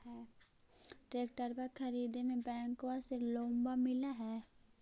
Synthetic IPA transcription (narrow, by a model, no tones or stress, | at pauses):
ɦɛː | ʈɾeːk̚ʈəɾpəɾkʰɐɾiːd̪emẽbɛ̃ːŋkʋaselõːmbamɪlaɦɛː